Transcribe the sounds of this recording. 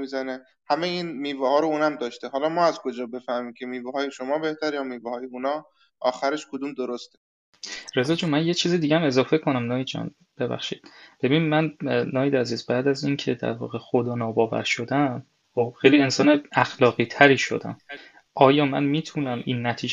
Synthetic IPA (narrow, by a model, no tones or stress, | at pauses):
mizæne | hæmejiːnmiːvɛhɒːɾouːnæmd̪ɒːʃt̪eɦɒːlɒːmɒːæzkʰod͡ʒɒːbe̞fæhmiːmcʰemiːvɛhɒːjeʃomɒːbe̞ht̪æɾjɒːmiːvɛhɒːjeunɒː | ʔɒːxæɾeʃkʰod̪umd̪oɾost̪e | ɾe̞zɒːd͡ʒuːmænjet͡ʃʰiːzid̪iːɟææme̞zɒːfe̞kʰo̞næmnɒːjid̪d͡ʒæ̰n | b̥e̞bæ̰xʃḭːd̪̥b̥e̞binimænnɒːjid̪æziːzbæːd̪æziːncʰe̞d̪æ̰ɾvɒ̰ːɣe̞xo̞d̪ɒːnɒːbɒːvæ̰ɾʃo̞d̪æn | χob̥xejliensɒːneæxlɒːɣiːt̪ʰæɾiːʃo̞̰d̪æ̰n | ʔɒːjɒːmæ̰nmiːt̪ʰunæmʔḭːnːæt̪ʰiːd͡ʒ